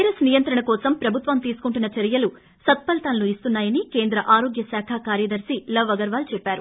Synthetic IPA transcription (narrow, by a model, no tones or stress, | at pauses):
ɾɐsnijɐnt̪ɾɐɳɐkɔːsɐmpɾɐbʱut̪ʋɐmt̪iːsu̥kuɳʈunːɐt͡ʃɐɾijɐlu | sɐt̪̚pɐlt̪aːlːuist̪unːaːjɐnike̞ːnd̪ɾɐʔaːɾo̞ːɡjɐsaːkʰakaːɾjɐd̪ɐɾsilɐʋːɐɡɐɾʋaːlt͡ʃɛpːaːɾu